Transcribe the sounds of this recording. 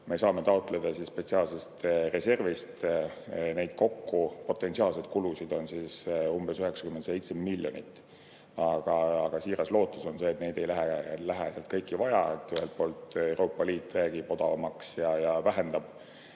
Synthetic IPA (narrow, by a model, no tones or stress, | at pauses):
me̞sɑːme̞t̪ɑot̪ːˑle̞d̪̥ɑsispe̞t̪siɑːlse̞st̪re̞se̞rvist̪ | ne̞jd̪̥̚ko̞kːupo̞t̪ːˑe̞nsiɑːlse̞d̪̚kulusid̪̥o̞nsisumbe̞syɦe̞ksɑ̥kymend̪se̞jt̪semmilʲːjo̞nḭt̪ːˑ | ɑɡ̥ɑɑɡ̥ɑsiːɾɑslo̞ːt̪ˑːuso̞nse̞ːt̪ne̞jd̪e̞jlæɦelæɦeseɑlt̪̚kɤjkːˑivɑjɑ̰et̪ːyɦelt̪̚po̞ːlt̪e̞wɾo̞ːpːˑɑliːt̪ːˑræːɡ̥ib̥o̞d̪̥ɑvɑmɑksjɑjɑvæɦe̞nd̪̥ɑb̥